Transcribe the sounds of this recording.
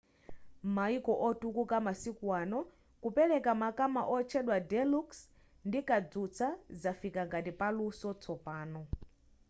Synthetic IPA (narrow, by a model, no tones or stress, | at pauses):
maikɔʔɔtukukamasikwanɔ | kupɛlɛkamakama̰ʔɔt͡ʃʰɛɗwadɛluks | ndikad͡zut͡sʰazafikaŋɡatipalusɔt͡sʰɔpaːnɔ